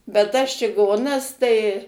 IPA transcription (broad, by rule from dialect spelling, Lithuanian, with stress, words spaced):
bʲɛt tɐs t͡ʃʲɪˈɡoːnɐs tɐɪ